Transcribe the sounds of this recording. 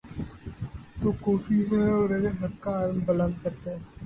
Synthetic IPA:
t̪oːkɔːfiɦɛɔːɾeɡeɦɐkːaːɾmbələ̃nd̪̚kɐɾt̪e

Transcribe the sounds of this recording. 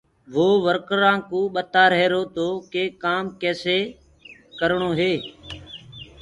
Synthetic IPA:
ʋoːʋəɾkɾãːkũːɓət̪aːɾɛeːɾoːt̪oːkeːkaːmkɛːseː | kəɾɳoːɦeː

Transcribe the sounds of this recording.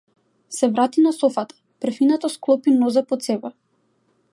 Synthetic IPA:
sɛvɾat̪inasɔfat̪ḁpr̩finat̪asklˠɔpinɔzapɔt̪sɛbɛ

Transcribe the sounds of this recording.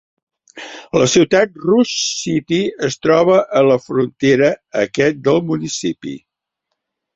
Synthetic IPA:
ləsiwt̪at̪̚ruʃsit̪iəst̪ɾɔβəʔələfɾunt̪eɾəəkɛt̪̚d̪əlˠmunisipḭ

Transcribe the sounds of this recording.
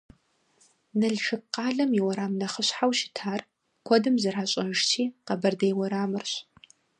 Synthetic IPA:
nɐɮʃɨqɑːɮɐmjiwɔɾaːmnɐχəɕħawʃɪ̥tʰaːr | kʷʰɔdɨmzɐraːɕʼɐʂt͡ʃʰiːqɐbɐrdɐjwɔɾaːmɨrɕ

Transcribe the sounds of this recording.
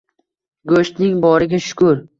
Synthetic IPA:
ɡoʃt̪nɪŋbɒɾɪɡʲaʃʊ̥kʰʊɾ

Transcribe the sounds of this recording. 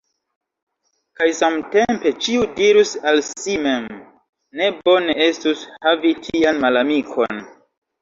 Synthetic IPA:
kajsamte̞mpe̞t͡ʃiudiɾusalsime̞m | ne̞bo̞ne̞e̞stushavitʰianmalamikʰo̞̰n

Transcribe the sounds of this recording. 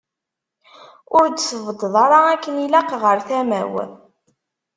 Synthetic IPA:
ʊɾd̪səvəd̪ðˤɑɾˤɑækːənilæqʁəɾθæmæ̰w̰

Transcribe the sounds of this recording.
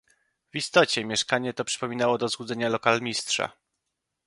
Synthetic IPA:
vist̪ɔt͡ɕɛmʲjɛʂkaɲɛt̪ɔpʂɘ̥pɔmʲinawɔd̪ɔzwud̪zɛɲalɔkalmʲistʂa̰

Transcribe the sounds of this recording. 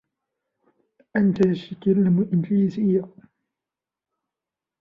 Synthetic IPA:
ʔant̪aasakalːɪmʊʔɪnɡliːzɪjːa

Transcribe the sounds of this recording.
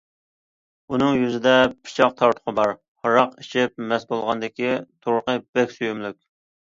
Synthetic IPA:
unɨŋjyzɪd̪ɛpʰi̥t͡ʃʰɑq̚t̪ʰɑɾt̪ʰʊ̥qʰəbɑɾ | hɑɾɑqiʃɪp̚mɛsbolˠʁɑnd̪ɪkʲit̪ʰoɾqəbɛkʲsujymlykʲ

